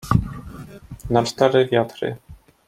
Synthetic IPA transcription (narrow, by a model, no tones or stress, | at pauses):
namst̪aɾɪvjat̪ɾɪ̰